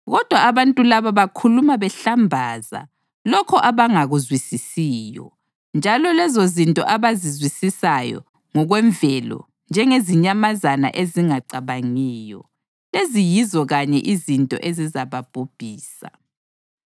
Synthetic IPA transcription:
ɣɔd̥ʱwaːβantʼulaβaβakʰulumaβɛɬambʱaza̰ | lɔkʰɔʔaβaŋaɣuzwisisiːjɔ̰ | nd͡ʒʱalɔlɛzozintʼɔ̰ʔaβazizwisisajɔ̰ | ŋɔɣwɛɱvɛlɔ̰ | nd͡ʒʱɛŋeziɲamazana̰ʔeziŋaǀaβaŋiːjɔ̰ | lezijizɔɣaɲɛʔizintʼɔ̰ʔezizaβab̥ʱub̥ʱiːsa̰

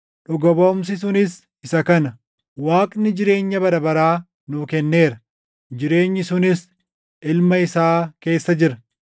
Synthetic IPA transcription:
ᶑʊɡɔboːms̬ɪs̬ʊnɪs | ɪsɐkɐnɐ | waːkʼnɪd͡ʒɪɾe̞ːɲːɐbɐɾɐbɐɾaː | nʊkɛnːe̞ːɾɐ | d͡ʒɪɾe̞ːɲːɪsʊnɪs | ɪlmɐɪsaːke̞ːsːɐd͡ʒɪɾɐ

